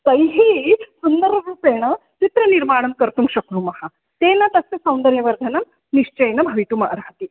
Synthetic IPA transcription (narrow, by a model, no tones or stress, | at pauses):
kɐjɦiːsund̪əɾɐɡuːpeɽ̃ɐt̪it̪ɾɐniɾmaːɽ̃ɐmkəɾt̪ũŋkɕɐkɾumɐha | t̪enɐt̪ɐsesɐ̃w̃nd̪ɐɾjɐʋɐɾd̪ʱɐnɐm | niɕt͡ɕɐjnɐbʱɐʋit̪umɐ̰ʔɾaːt̪i